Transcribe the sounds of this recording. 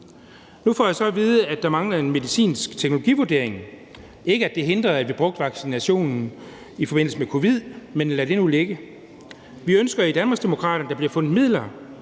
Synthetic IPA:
nufɒ̰ːjɑ̈sɒ̽ʋiːð̞ˠəæd̥ɑ̈mɑ̈ŋlɐe̝nme̝ðisḭːnsɡ̥t͡sʰeɡ̥no̝lo̝ɡ̥ḭːʋuɐd̥e̝ɐ̰eŋ | e̝ɡ̥əæd̥e̝ɦe̝nd̥ʁɐðˠæ̥ʋib̥ʁɔ̽ɡ̥̚d̥ʋɑ̈ɡ̥sinæɕo̝̰ːnn̩ | ifɒ̽be̝n̰l̩səmekʰo̝ʋið̞̰ˠmenlæɾ̥e̝nuleɡ̥ə | ʋiønsɡ̥ɐid̥ænmɑ̈ɡsd̥e̝mo̝kʰʁɑ̰̈ːɾɐnəd̥ɑ̈b̥liɐfɔ̽n̰ð̩ˠmið̞̰ˠlɐ

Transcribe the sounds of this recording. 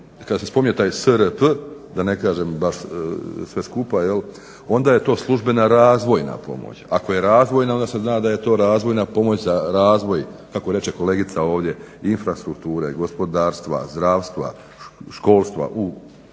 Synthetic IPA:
kad̪asespo̞miɲet̪aːjsəɾəpd̪ane̞kaːʒe̞mbaʃsʋe̞skupaje̞l | o̞nd̪aje̞t̪o̞ːslˠuʒbe̞naɾaːzʋo̞jna̰po̞̰mo̰t͡ɕako̞je̞ɾaːzʋo̞jnaond̪ase̞znaːd̪aje̞t̪o̞ːɾaːzʋo̞jnapo̞mo̞t͡ɕzaɾaːzʋo̞jkakoɾe̞t͡ʃe̞ko̞le̞ːɡit̪sao̞ːʋd̪je̞ | infɾast̪ɾuk̚t̪uːɾeɡo̞spo̞d̪aːɾst̪ʋa̰zd̪ɾaːʋst̪ʋa̰ | ʃko̞ːlˠst̪ʋa̰ʔu

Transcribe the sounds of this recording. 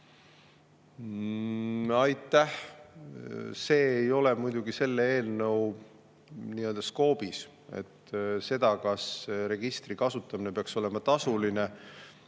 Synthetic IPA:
ɑjt̪ːˑæh | se̞ːjo̞le̞mujd̪̥uɡ̥ise̞lːee̞ːlnɤw | niːø̞ld̪̥ɑsko̞ːb̥is | e̞̰t̪ːse̞d̪̥ɑkɑsɾe̞ɡ̥ist̪rikɑsut̪ːˑɑmine̞peɑkso̞le̞mɑt̪ɑsuline̞

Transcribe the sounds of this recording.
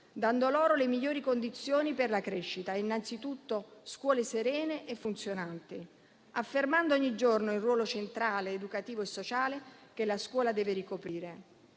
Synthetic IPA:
d̪and̪olɔːɾolemiʎːoːɾikond̪it̪sːjoːniperlakɾɛʃːit̪aeinːant̪sit̪ut̪ːoskwɔːleseɾɛːneʔefːunt̪sjonant̪i | afːermand̪oɔɲːid͡ʒornoilrːwɔːlot͡ʃent̪ɾaːleːd̪ukat̪iːvoesːot͡ʃaːlek̟elaskwɔːlad̪ɛːveɾikopɾiːɾe

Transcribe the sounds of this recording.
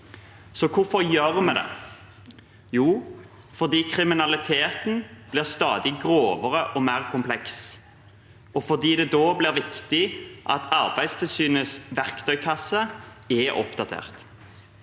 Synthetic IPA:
sɔkʰʊɾfɔʁjøːʁmɛd̪ɛ̰ | juː | fɔʁd̪iːkʰɾɪmɪnɑlɪt̪ʰeːt̪n̩b̥lɪʁst̪ɑːd̪ɪɡʁoːʋəʁəʔɔmæʁkʰʊmpʰlɛks | ɔfɔʁd̪iːd̪ɛd̪oːblɪʁʋɪkt̪ɪʔɑ̰t̪ʰɑʁbæɪd̪st̪ʰɪlsyːnəsʋæʁkt̪ʰœʏkʰɑsːə | ɛʔɔ̰pd̪ɑt̪ʰḛːʁt̪

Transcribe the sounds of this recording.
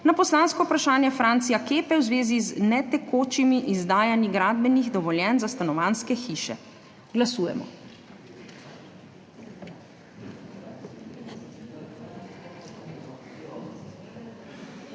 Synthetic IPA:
napɔslaːnskɔpɾaʃaːnjɛfɾaːnt̪sijakeːpɛwzʋeːziznɛt̪ɛkʰoːt͡ʃimiʔizd̪aːjaniɡɾaːd̪̚bɛniɣd̪ɔʋɔljɛnzast̪anɔʋaːnskɛxiːʃɛ̰ | ɡlasuːjɛ̰mɔ̰

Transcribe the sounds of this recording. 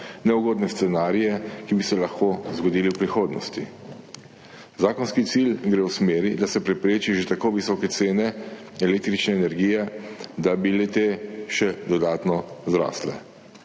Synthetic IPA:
nɛuɡoːd̪nɛst̪sɛnaːɾijɛkibisɛlaxkozɡɔd̪iːliwpɾixoːd̪nɔ̰st̪i | zaːkɔnskit̪silɡɾewsmeːɾid̪asɛpɾɛpɾeːt͡ʃiʒet̪akoːʋisɔːkɛt̪seːnɛ | ɛleːk̚t̪ɾit͡ʃnɛːnɛɾɡiːjɛd̪abilet̪eʃɛd̪ɔd̪aːt̪nɔzɾa̰ːslɛ̰

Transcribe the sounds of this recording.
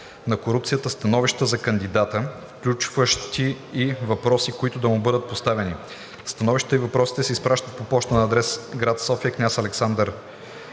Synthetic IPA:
nɐkoɾup̚t̪sijət̪əst̪ɐnɔviʃt̪əzɐkɐnd̪id̪at̪əfklʲut͡ʃvəʃt̪ʰiː | vɐpɾɔsikoit̪ʊd̪ɐmubɤd̪ət̪̚post̪avɛni | st̪ɐnɔviʃt̪t̪əivɐpɾɔsi̥t̪ɛsɛispɾaʃt̪ət̪̚popɔt͡ʃt̪ənɐːd̪ɾɛsɡɾat̪sɔfiəknʲasɐlɛksand̪əɾ

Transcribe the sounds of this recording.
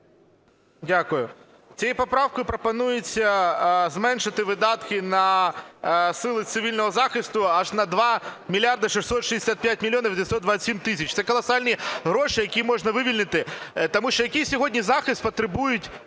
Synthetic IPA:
dʲakʊjʊ | t͡sʲijipɐpɾɑwkɔjʊpɾɔpɐnujʊt͡sʲːɐzmɛnʃɪt̪ɪʋɪd̪ɑt̪kɪnɐ | sɪlˠɪt̪sɪʋʲilʲnɔɦɔzɑxɪst̪ʊɑʐnɐd̪ʋɑmʲilʲard̪ɐʂɪxsɔt̪ʃɪdʲɪsʲat̪̚pʲjat̚ʲmʲilʲjɔnɐʋʲd̪ʲɪsɔd̪d̪ʋasʲimt̪ɪsʲɐt͡ʃt̪ɛkɔlˠɐsɑlʲnʲiɦɾɔʂɪjɐkʲimɔʐnɐʋɪʋʲilʲnɪt̪ɪt̪ɐmuʃt͡ʃɔjɐkʲijsʲɔɦɔdʲnʲizɑxɪst̪̚pɐt̪ɾɪbujʊtʲ

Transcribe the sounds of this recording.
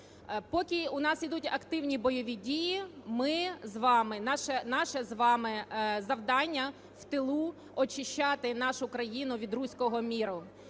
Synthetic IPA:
pɔkʲiʊnɑsid̪utʲɐkt̪ɪwnʲibɔjɔʋʲidʲijimɪzʋɑmɪnɑʃɛnɑʃɛzʋɑmɪzɐwd̪ɑnʲːɐ | wt̪ɪlˠu | ɔt͡ʃɪʃt͡ʃːɑt̪ɪnɑʃʊkɾɐjinʊʋʲid̪ɾusʲkɔɦɔmʲiɾʊ

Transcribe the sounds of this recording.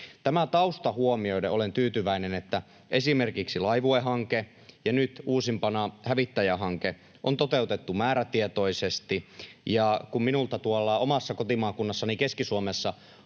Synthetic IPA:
t̪æmæt̪ɑust̪ɑhuomioideolent̪yːt̪yʋæinenet̪ːæ | ʔesimerkiksilɑiʋueɦɑŋke | jɑnyt̪uːsimpɑnɑhæʋit̪ːæjæɦɑŋke | ʔont̪ot̪eut̪et̪ːumæːɾæt̪iet̪oisest̪ijɑkumminult̪ɑt̪uolːɑomɑsːɑkot̪imɑːkunːɑsːɑnikeskisuomesːɑ

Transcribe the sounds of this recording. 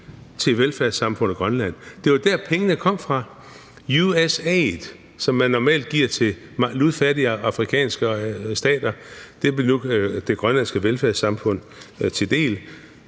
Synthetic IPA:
t͡sʰe̝ʋelfæɐsɑ̈mfɔ̽n̰əɡ̥ʁɶnlæn̰d̥e̝ʋɑd̥æɐpʰeŋənəkʰɒ̽m̰fʁɑ̈ | juesɛð | sɒ̽mːænːɒmɛ̰ːld̥̚ɡ̥iɐ̰t͡sʰe̝ | mɑluðˠfæɐɾiɑ̈fʁikʰɛ̰ːnsɡ̥əsd̥ɛ̰ːd̥ɐd̥e̝b̥nud̥e̝ɡ̥ʁɶnlænsɡ̥əʋelfæɐ̰sɑ̈mfɔ̽n̰ | t͡sʰe̝d̥e̝̰ːl

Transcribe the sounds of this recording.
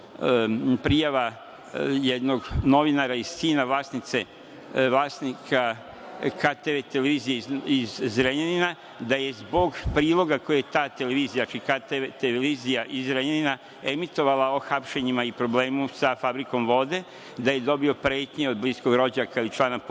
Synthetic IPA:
pɾijaʋa | jed̪no̞ɡno̞ʋinaɾaiz̥siːnaʋlˠaːsnit̪se̞ | ʋlˠaːsnikʰa | kʰat̪eʋet̪eleʋizijeizzɾeɲanina | d̪aje̞zbo̞ɡpɾiːlˠo̞ɡakojejet̪aːt̪e̞leʋiːzijaat͡ʃikat̪eet̪eeizijaʔizɾeɲanina | e̞mit̪o̞ʋalao̞xapʃeɲimaipɾo̞ble̞ːmusafabɾiko̞mʋo̞d̪e̞ | d̪aje̞d̪o̞bio̞pɾe̞ːt̪ɲeo̞d̪̚blisko̞ɡɾo̞d͡ʑaakaojt͡ʃlˠaːnap

